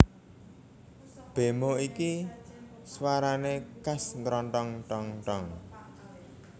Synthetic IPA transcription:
b̥e̤moiki | swaɾanekasnt̪ɾɔɳʈɔŋʈɔŋʈɔŋ

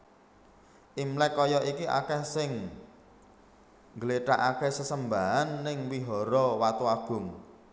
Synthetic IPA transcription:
ʔimlɛkːɔjɔʔikiʔa̰kɛhsɪŋ | ŋɡəleʈaʔakɛhsəsəmbaɦanːɪŋwiɦɔɾɔwat̪uaɡ̥ʊ̤ŋ

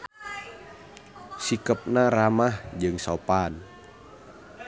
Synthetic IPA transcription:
sikəp̚naramahd͡ʒɨŋsopan

